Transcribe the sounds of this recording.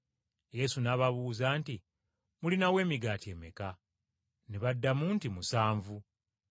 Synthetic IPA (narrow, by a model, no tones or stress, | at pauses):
je̞sunaːβaβuːzaːnti | mulinawe̞ːmiɡaːtie̞ːmeka | neβadːamuntimusaːɱvu